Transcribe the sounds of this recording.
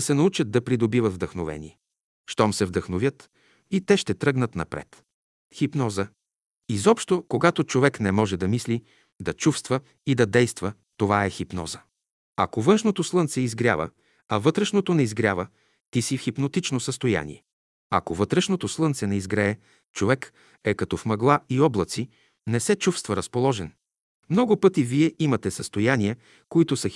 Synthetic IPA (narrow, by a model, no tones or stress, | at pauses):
sɛnɐut͡ʃət̪̚d̪ɐpɾid̪obivəd̪vd̪əxnovɛ̰nʲḭɛ | ʃt̪ɔmsɛvd̪əxnovʲjət̪ | it̪ɛʃt̪ɛt̪ɾɤɡnət̪nɐ̰pɾɛ̰t̪ | xipnɔzə | izɔpʃt̪okoɡat̪ot͡ʃovɛknɛmɔʒɛd̪ɐmisli | d̪ɐt͡ʃufst̪və | id̪ɐd̪ɛjst̪və | t̪ovaɛxipnɔ̰zə | ɐ̰kovɤnʃnot̪oslˠɤnt̪sɛizɡɾʲjavə̰ | ɐvɤt̪ɾɛʃnot̪onɛizɡɾʲjavə | t̪isifxipnot̪it͡ʃnosəst̪oja̰nḭɛ | ɐ̰kovɤt̪ɾɛʃnot̪oslˠɤnt̪sɛnɛizɡɾɛː | t͡ʃovɛk | ɛkɐt̪ɔfmɐɡlˠaiɔblˠət̪si | nɛsɛt͡ʃufst̪vəɾəspolˠɔʒɛn | mnɔɡʊpɤt̪iviɛimɐt̪ɛsəst̪ojaniɛ | koit̪ʊsɐ